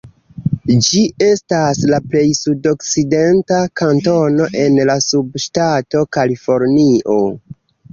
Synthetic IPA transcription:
d͡ʒie̞staslaple̞jsudo̞kt͡side̞ntakanto̞no̞ʔe̞nlasubʃtato̞kalifo̞ɾniʔo̞

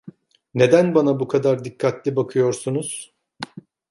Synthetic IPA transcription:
ne̞d̪ænbanabukʰad̪aɾd̪ikʰːat̪lʲibakʰɯjo̞ɾsunuz̥

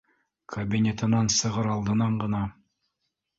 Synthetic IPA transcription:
kʰɐbʲinʲet̪ɤ̆nɑnsɤ̆ʁɤɾɑlˠd̪ɤ̆nɑɴɢɤ̆nɑ

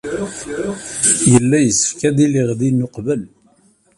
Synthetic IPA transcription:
jəlːæjəsə̥fkæðiliʁðinʊqvəl

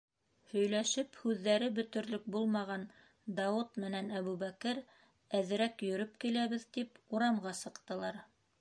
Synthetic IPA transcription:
hɵ̆jlæʃɘphʉðːæɾɘbɵ̆t̪ɵ̆ɾlɵk̚bulˠmɑʁɑn | d̪ɑut̪mɘ̆nænæβuβækɘɾ | æðɘ̆ɾækjɵ̆ɾɵp̚kilæβɘðt̪ipuɾɑmʁɑsɤ̆qt̪ɤ̆lˠɑɾ

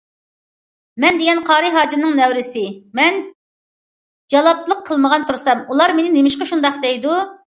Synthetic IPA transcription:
mɛnd̪eɡʲɛnqʰɑːɾɨɦɑːd͡ʒinɨŋnɛwɾɪsɪmɛn | d͡ʒɑlˠɑp̚t̪lˠəqʰːəlˠməʁɑnt̪ʰuɾsɛmulˠɑɾmenɪnemɪʃqɑʃund̪ɑχd̪ɛjd̪u

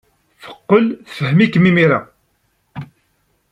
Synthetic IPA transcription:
θə̥qːəlθfəhəmikːmimiɾɑ

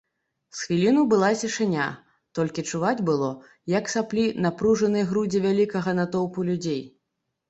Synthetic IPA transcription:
sxvʲilʲinubɨlˠasʲiʂɨnʲa̰ | t̪ɔlʲkʲit͡ʂuvad͡zʲbɨlˠɔ | jɐksaplʲinapɾuʐɐnɨjɣɾud͡zʲivʲalʲikɐɣɐnat̪ɔwpulʲud͡zʲej

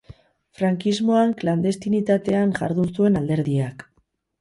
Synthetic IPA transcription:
fɾaŋkizmo̞aŋkland̪e̞st̪init̪at̪e̞aŋʝa̰ɾðunsue̞nald̪e̞ɾðiak

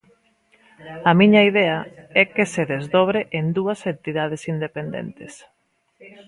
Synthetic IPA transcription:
ɐmiɲɐiðɛɐɛkeseðezðɔβ̞ɾeʔend̪uɐsent̪iðað̞esind̪epend̪ḛnt̪es

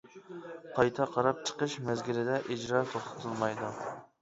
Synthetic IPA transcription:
qʰɑjt̪ʰɛqʰɑɾɑp̚t͡ʃʰə̥qəʃmɛzɡʲɪɾɪd̪ɛʔid͡ʒɾɑt̪ʰoχt̪ʰɨ̥t̪ʰɨlˠmɑjd̪u

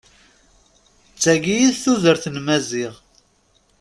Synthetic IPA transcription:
t͡sːæɡijiðθuðəɾθnmæziʁ

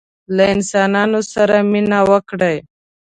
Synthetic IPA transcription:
laɪnsɑnɑnosaɾaminawəkɽaj

